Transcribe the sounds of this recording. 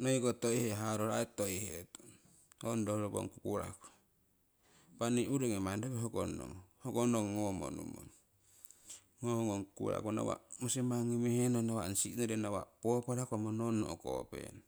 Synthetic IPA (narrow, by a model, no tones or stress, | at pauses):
noiɡotoiheɦaɾoɾa̰etojheton | hondohɾobo̰ŋkukuɾa̰ko̥ | paniuɾeŋemandoβeɦoɡono̰ŋhoɡonoŋŋomo̰nṵmo̰n | ŋohŋoŋkukuɾa̰kona̰wa̰mosimaŋimehenonawansiʔnoɾenawa̰popoɾakomononːoʔoko̰pḛn